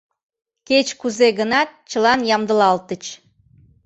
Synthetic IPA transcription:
ket͡ɕkuzeɣənɑt̪̚t͡ɕəlɑnjɑmd̪əlɑlt̪ət͡ɕ

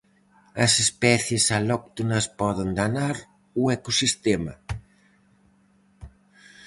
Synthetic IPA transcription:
ɐsespɛθjesalɔk̚t̪unɐspɔðend̪anaɾ | uekosist̪ɛmɐ̰

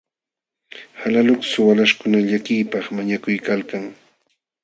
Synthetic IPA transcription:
halalʊksʊwalaʃkʊnaʎakɪjpɑχmaɲakʊjkalkaŋ

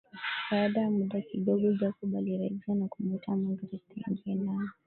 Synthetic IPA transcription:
aaɗajamuɗakiɗɔɡɔʄakuɓaliɾaʄianakumutʰamaŋɡuɾutiɲɡiɛnanɔ

